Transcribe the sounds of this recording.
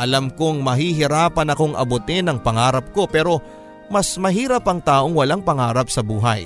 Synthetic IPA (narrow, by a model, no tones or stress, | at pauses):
ʔɐlamko̞ŋmɐɦiɦɪɾaːpɐnɐko̞ŋʔɐ̰bot̪ɪnɐŋpɐŋaːɾɐp̚ko̞pɛːɾo̞ | mɐsmɐɦiːɾɐpɐŋt̪aːʔo̞ŋwɐlaŋpɐŋaːɾɐp̚sɐbuːɦɐ̰j